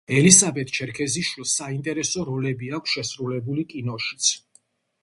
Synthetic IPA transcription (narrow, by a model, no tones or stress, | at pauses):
ɛlisabɛt̪̚ʰʼt͡ʃʰɛɾkʰɛziʃwilˠsaint̪ʼɛɾɛsɔɾɔlɛbiakʷʰsʃɛsɾulɛbulikʼinɔʃi̥t̪sʰ